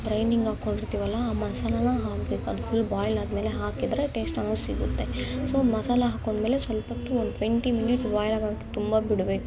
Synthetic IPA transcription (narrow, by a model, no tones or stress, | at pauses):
bɾɐjniŋɡaːko̞ɳɖiɾt̪iːʋɐlːɐːmɐsaːlɐnɐɦaːkbeːkuɐd̪fulːbaːjlaːd̪me̞ːle̞ɦaːkid̪ɾeʈe̞ːsʈɐnɐsiɡut̪ːe̞soːmɐsaːlɐɦaːkoɳɖme̞ːle̞sʋɐlpɐt̪ːuondʈʋeɳʈiminiʈsbaːjɾaːɡaːke̥t̪umbɐbiɽbeːku